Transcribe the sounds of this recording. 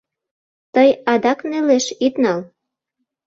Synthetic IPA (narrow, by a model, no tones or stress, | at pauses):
t̪əjɑd̪ɑkneleʃit̪nɑl